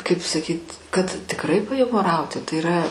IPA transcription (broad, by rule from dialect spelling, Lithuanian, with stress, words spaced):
kɐɪp sɐˈkʲiːtʲ kɐt tʲɪkˈrɐɪ pɐjʊmoːˈrɐʊtʲɪ tɐɪ iːˈrɐ